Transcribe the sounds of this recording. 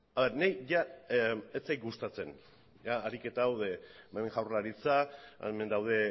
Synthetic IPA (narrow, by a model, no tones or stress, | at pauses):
aβeɾnejʝa | et͡sejɡust̪at͡se̞n | jaːɾike̞t̪aːwðe̞maeŋʝawrlaɾit͡saḛme̞nd̪awð̞e̞